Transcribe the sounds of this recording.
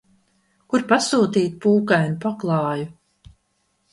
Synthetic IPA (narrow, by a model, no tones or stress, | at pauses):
kuɾpasuːt̪iːt̪̚puːkajnupaklˠɑːju